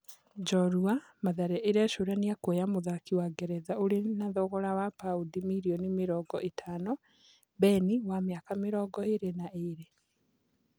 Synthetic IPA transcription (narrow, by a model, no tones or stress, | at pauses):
d͡ʒɔɾuamaðaɾɛʔeɾaʃoɾaniakwɛjamoðakiwaɡɛɾɛðaoɾenaðɔɣɔɾawapaudimiɾiɔnimeɾɔːɡɔʔetʰanɔ | bɛniwameakameɾɔːɡɔeɾenaʔeɾe